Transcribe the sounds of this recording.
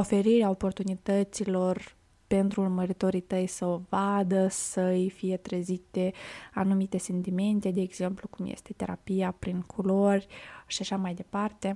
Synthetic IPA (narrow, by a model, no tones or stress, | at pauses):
o̞fe̞ɾiɾeao̞po̞rt̪unit̪ət̪silo̞r | pe̞nt̪ɾuːrməɾit̪o̞ɾit̪əjsəovad̪əsəjfije̞t̪ɾezit̪e̞anumit̪e̞se̞nt̪ime̞nt̪e̞d̪eːɡz̥e̞mplukumjḛst̪e̞t̪e̞ɾa̰pijapɾiŋkʰulo̞rʲʃiaʃamajd̪e̞part̪e̞